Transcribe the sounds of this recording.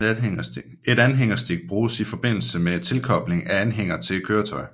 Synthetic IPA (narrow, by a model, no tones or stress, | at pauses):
e̝ɾænɦeŋ̰ɐsd̥eɡ̥̚b̥ʁuːsifɒ̽b̥e̝n̰l̩səmet͡sʰe̝lkʰɒ̽b̥le̝ŋæænɦeŋ̰ɐt͡sʰe̝̥kʰøːɐt͡sʰɒ̽ɪ